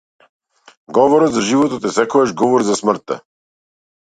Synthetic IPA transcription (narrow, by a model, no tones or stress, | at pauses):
ɡɔvɔɾɔt̪zaʒivɔt̪ɔt̪ɛsɛkɔɛʃɡɔvɔɾzasmr̩t̪ːɛ̰